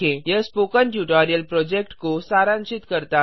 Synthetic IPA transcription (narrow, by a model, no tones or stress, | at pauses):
ẽjəspokəɳʈjuʈaɾijəlpɾɔd͡ʑek̚ʈkosaɾãnt͡ɕit̪kəɾt̪a